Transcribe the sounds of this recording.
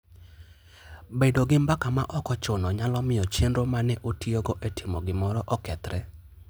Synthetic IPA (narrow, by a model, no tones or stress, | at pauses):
bedoɡɪmbakamaʔɔkɔt͡ʃʊnɔɲalɔmɪɔt͡ʃendɾomanɛʔotioɡoʔetʰɪmɔ̰ɡɪmɔɾɔʔɔkɛt̪ɾɛ